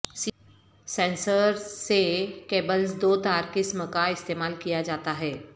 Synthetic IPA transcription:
s | sɛ̃ːnsəɾsekeːbəlsd̪oːt̪aːɾkɪsməkaɪst̪eːmaːlkijad͡ʒaːt̪aɦɛː

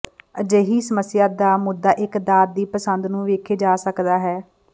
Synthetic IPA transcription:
əd͡ʒeːɦiːsəməsɪjaːd̪aːmʊd̪ːaːʔɪkd̪aːt̪̚d̪iːpəsənd̪nũːʋeːkʰeːd͡ʒaːsəkd̪aːɦɛː

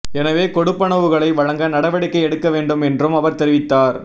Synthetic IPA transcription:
ɛnɐʋeːkɔɽɯpːɐɳɐʋɯɣɐɭɐɪʋɐɻɐŋɡɐnɐɽɐʋɐɽɪkːɐɪɛɽɯkːɐʋeːɳɖɯmɛndrɯmɐʋɐɾt̪ɛɾɪʋɪt̪ːaːɾ

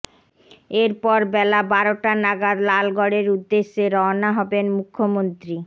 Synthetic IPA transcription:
eɾpɔɾbɛlabaɾoʈanaɡaɾlalɡɔɽeɾud̪ːeʃːeɾɔnaɦɔbenmukʰːomont̪ɾi

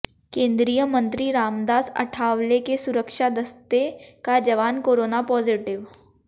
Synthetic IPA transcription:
kẽːnd̪ɾijəmə̃nt̪ɾiɾaːmd̪aːsɐ̰ʈʰaːʋlekesʊɾəkʃad̪ɐst̪ekad͡ʒɐʋaːnkoːɾoːnapɔːzɪʈɪʋ

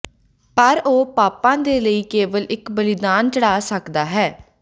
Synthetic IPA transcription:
pəɾoːpaːpãːd̪eːləiːkeːʋəlɪkbəlɪd̪aːnt͡ʃəɽaːsəkd̪aːɦɛː

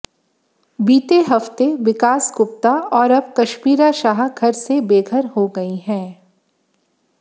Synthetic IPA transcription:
biːt̪eɦɐft̪eʋɪkaːsɡʊp̚t̪aɔːɾɐb̚kɐʃmiːɾaʃaːɦɡʱɐɾsebeːɡʱəɾɦoɡɐiɦɛ̃ː

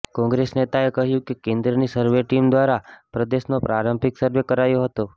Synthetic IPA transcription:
kɔ̃ŋɡɾesnet̪aekəɦjũkekẽnd̪ɾənisəɾʋeʈimd̪ʋaɾapɾəd̪eʃnopɾaɾəmpiksəɾʋekəɾajoɦət̪o

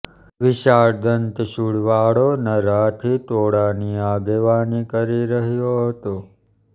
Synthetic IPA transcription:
ʋɪʃaːɾd̪ənt̪ʃuɽʋaɽonəɾat̪ʰit̪oɽaniaːɡeʋaːnikəɾiɾəɦjoɦət̪o

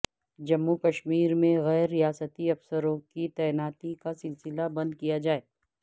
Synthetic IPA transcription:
d͡ʒɐmːukɐʃmiːɾmẽɣɛːɾːijaːsət̪iɐfsəɾõkit̪ɛːnaːt̪ikasɪlsɪlabɐ̃nd̪̚kijad͡ʒaːeː

